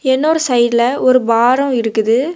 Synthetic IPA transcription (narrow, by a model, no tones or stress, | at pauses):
ɛnːoɾɯsɐɪdlɐɔɾɯbaːɾɐ̃ɪɾɯkːɯðɯ